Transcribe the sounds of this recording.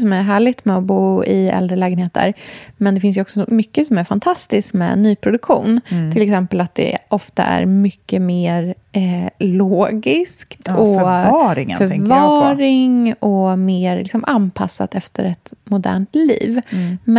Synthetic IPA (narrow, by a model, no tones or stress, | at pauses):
sɔmæɾɦæːɭɪt̪mɛɔbuːɪɛ̰ld̪ɾəlɛːɡənheːt̪ʰə̰ɾmɛnd̪ɛfɪns̬jɵɔksɔmʏkːəsɔmæɾfant̪ʰast̪ɪskmɛ̰ːnyːpʰɾʊd̪ɵkɧṵːnt̪ʰɪlɛksɛmpəlat̪̚d̪ɛ̰ʔɔft̪a̰ʔæ̰ɾmʏkːəmeːɾ | loːɡɪskt̪ʰɔɾɪ̰fœɾvɑːɾɪŋɔmeːɾlɪksɔmʔanpʰa̰sːa̰t̪ɛft̪ʰəɾɛt̪mʊd̪æ̰ːɳʈ̪lḭːvm